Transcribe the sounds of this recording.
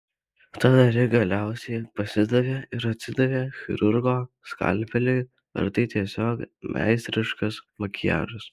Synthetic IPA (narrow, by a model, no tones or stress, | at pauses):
t̪ɐd̪ɐɾʲɪɡɐlʲæˑʊsʲɛɪpɐsʲɪd̪ɐʋʲeːɪɾɐt̪ʲsʲɪd̪ɐʋʲeːxʲɪ̰ɾʊɾɡoːskɐ̰lʲˑpʲɛlʲeɪ | ɐ̰ɾt̪ɐɪt̪ʲiɛsʲoːkmʲʔæ̰ɪst̪ʲɾʲɪʃkɐsmɐkʲɪjæ̰ːʒɐs